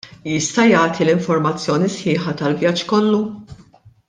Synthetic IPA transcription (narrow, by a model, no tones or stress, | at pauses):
jɪst̪ɐjɐːt̪ʰilɪɱfɔɾmɐt͡sːjɔːnisħɪːħɐt̪ɐlvjɐd͡ʒkɔlːu